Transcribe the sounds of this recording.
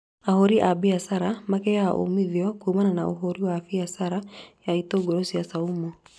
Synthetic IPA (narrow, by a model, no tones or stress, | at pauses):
ahoɾiʔabiasaɾamakɛjaʔo̰miðiɔkumananaoɦoɾiwafiasaɾajaitoɡoɾosiasaumo